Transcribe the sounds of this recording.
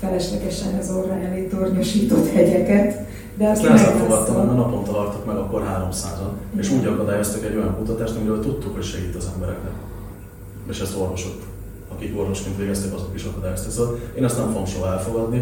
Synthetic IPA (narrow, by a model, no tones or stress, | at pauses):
fɛlɛʃlɛɡɛʃɛnɛzorːɑnɛlit̪orɲoʃiːt̪o̞t̪hɛɟɛkɛt̪ | d̪ɛɒsenɛzɛlfoɡɒt̪ːɒmmɛnɒpo̞nt̪ɒlɒrt̪ukmɛɡɒkːo̞rɦaːɾo̞msaːzoneːʃuːɟɒkɒd̪aːjo̞st̪ɛkɛɟːo̞jɒŋkut̪ɒt̪aːʃt̪ɒmiɾøːlt̪ut̪ːukho̞cʃɛɡit̪ːɒzɛmbɛɾɛ̰knɛk | eːʃɛst̪o̞rvo̞ʃok | ɒkiko̞rvo̞ʃkint̪ʋeːɡɛst̪ɛkɒzo̞kiʃɒkɒd̪aːjo̞st̪azoteːnɛst̪nɛmfoɡomʃo̞ɦɒɛlfo̞ɡɒd̪ni